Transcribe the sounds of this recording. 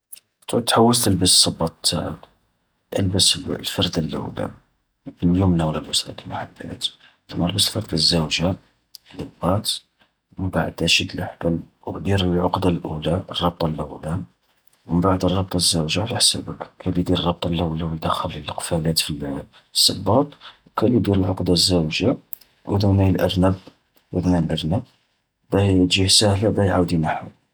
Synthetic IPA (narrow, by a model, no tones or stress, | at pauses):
t̪ʰuʕt̪ħawːəst̪əlbəssˤːɑbɑt̪ˤt̪ʰːa̰ʕə̰k | ʔə̰lbəslfɑɾˤd̪əlʔə̰wla̰ | ljumnæwlæləsɾæ̰d̪ilmaħabːæ̰t̪ | t̪mɑɾbəslfɑɾˤd̪əzːəwʒa | ləbɑt̪ | məmbaʕəd̪æʃit̪əlʔəħbæl | d̪iɾlʕʊqd̪ɑlʔulaʔrˤːɑb̚t̪ˤɑlʔəwla | wəmbaʕəd̪ərˤːɑb̚t̪ˤɑzːəwʒafiħsæ̰bəkkʰælid̪iɾrˤːɑb̚t̪ˤɑlːæwlæwjd̪əxəlilqfælæt̪fil | sˤːɑbːɑt̪ˤwkælid̪iɾəlʕoqd̪ɑzːæwʒa | ʔd̪unæjəlʔə̰ɾnəb | wəd̪nænlʔəɾnæb | bæʒihsæhlabæjʕawd̪inaħu